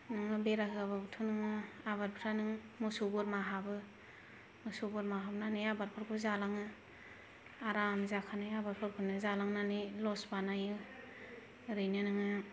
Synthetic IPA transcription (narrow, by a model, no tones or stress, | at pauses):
nɯŋɯbeɾakɯaβabɯtʰunɯŋɯ | abaɾpʰɾanɯŋmusuɡɔɾmaɦabɯ | musuɡɔɾmaɦabnanɯjabaɾpʰɯɾkʰɯzalaŋɯ | aɾamzakʰanɯjabaɾpʰɯɾkʰɯnɯzalaŋnanilɔsbanajɯ | ɾɯjnɯnɯŋɯ